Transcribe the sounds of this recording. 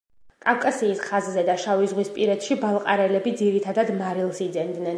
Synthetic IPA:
kʼafkʼasiːsχazzɛd̪aʃavizʁwispʼiɾɛt̪ʃibalˠqʼaɾɛlɛbid̪ziɾit̪ʰad̪ad̪maɾilˠsid̪zɛnd̪nɛn

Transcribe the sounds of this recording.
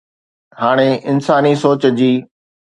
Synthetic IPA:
haːɽ̃eɪnsaːnisoːt͡ɕəd͡ʑiː

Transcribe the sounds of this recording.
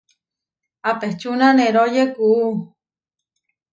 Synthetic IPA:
apeht͡ʃunaneɾojekuu

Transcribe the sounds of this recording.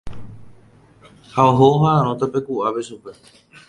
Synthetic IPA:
haoɦooɦaãɾ̃õt̪ape̞kuʔapeʃupe̞

